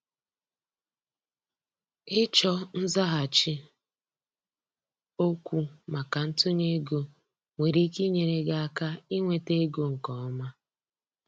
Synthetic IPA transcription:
ɪ˦t͡ʃɔ˦n̩˦za˦ɦa˨t͡ʃɪ˦ | o˦kʷu˨ma˨ka˨n̩˦tʊ˦ɲe˦ɡo˦ | ŋʷe˨ɾi˦ki˦ɲe˨ɾe˨ɡa˦a˦ka˦i˦ŋʷe˦te˦ɡo˦ŋ̩˨kɔ˨ɔ˦ma˦

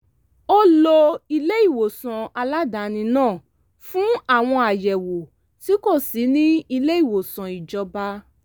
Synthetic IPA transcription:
o˦lo˧i˧le˦i˦˨wo˨sã˨a˧la˦da˨˦nĩ˧nãː˦˨ | fũ˦a˦˨w̃ɔ̃˧a˨jɛ˨wo˨ | ti˨˦ko˦˨si˨˦nĩ˦i˧le˦i˦˨wo˨sã˨i˨d͡ʒɔ˧ba˧˦

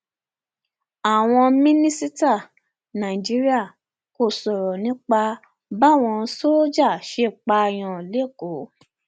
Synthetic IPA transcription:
a˨w̃ɔ̃˧mĩ˦nĩ˦si˦ta˦˨ | nã˨i˨d͡ʒi˦ɾi˦a˦˨ | ko˧˨sɔ˨ɾɔ˨nĩ˨˦k͡pa˧ | ba˦˨w̃ɔ̃˧so˦d͡ʒa˦˨ʃe˦˨k͡pa˧j̃ã˧˨le˦˨ko˨˦

